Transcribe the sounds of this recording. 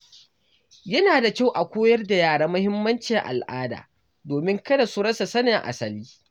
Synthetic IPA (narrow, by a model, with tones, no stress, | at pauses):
jɐ˦naː˨da˨kʲa˦˨wʔa˨kʷoː˦jɐ˦rda˨jaː˦˨ɽaː˦mɐ˦hɪ˦mːɐ˦nt͡ʃɪ˨ŋʔa̰˨lʔaː˦da̰ː˨ | doː˨mɪ˦ŋkɐ˦da˨su˦ɽɐ˦sa˨sɐ˦nɪ˨ŋʔa̰˨sɐ˨liː˦